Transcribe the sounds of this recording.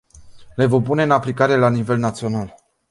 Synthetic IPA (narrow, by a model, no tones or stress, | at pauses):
le̞vomp̬une̞ɨnaplikaɾe̞lanive̞lnat̪sio̞nal